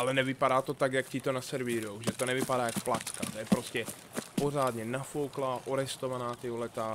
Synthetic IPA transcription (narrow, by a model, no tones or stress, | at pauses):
ʔalɛnɛvɪpadaːt̪o̞t̪akjakcɪt̪o̞nasɛɾviːɾowʒɛt̪onɛvɪpadaːjakplat͡ska̰t̪ojɛpɾoscɛ | po̞raːd̪ɲɛnafowklaʔoɾɛst̪o̞vanaːt̪ɪɦlɛt̪a